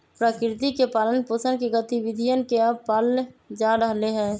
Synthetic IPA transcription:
pɾəkɾɪt̪ikepaːlənposənkeɡət̪iʋɪd̪ʱijənkeəb̚paːld͡ʒaɾəɦleɦɛ̃ː

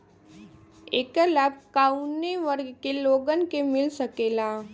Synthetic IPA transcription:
eːkəlabkaːuneʋəɾɡkeloːɡənkemɪlsəkeːlaː

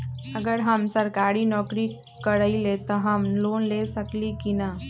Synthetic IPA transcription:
ɐɡəɾɦəmsɐɾkaːɾinɔːkɾi | kəɾəilet̪ɔɦəmloːnlesəklikina

